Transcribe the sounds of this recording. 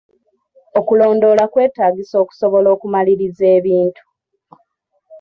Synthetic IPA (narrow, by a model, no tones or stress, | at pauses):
o̞kulo̞ːndo̞lakwe̞ːtaːɡiso̞ːku̥so̞βo̞lo̞ːkumaliɾize̞ːβiːntu̥